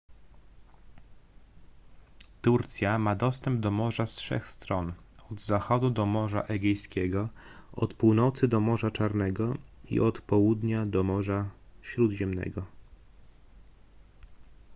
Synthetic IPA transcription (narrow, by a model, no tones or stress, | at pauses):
t̪uɾt̪sʲjamad̪ɔst̪ɛmb̚d̪ɔmɔʐastʂɛ̰xst̪ɾɔn | ɔd̪zaxɔd̪ud̪ɔmɔʐa̰ʔɛɡʲɛjskʲɛɡɔɔt̪puwnɔt̪sɘd̪ɔmɔʐat͡ʂaɾnɛɡɔḭʔɔt̪pɔwud̪ɲad̪ɔmɔʐaɕɾud̪ʑɛmnɛ̰ɡɔ